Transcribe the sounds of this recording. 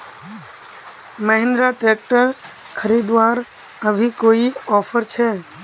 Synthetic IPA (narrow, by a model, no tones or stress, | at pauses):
məɦɪ̃nd̪ɾaʈɾeːk̚ʈəɾ | kʰəɾiːd̪ʋaːɾ | əbʱikoːiɔːpʰəɾt͡ʃʰɛː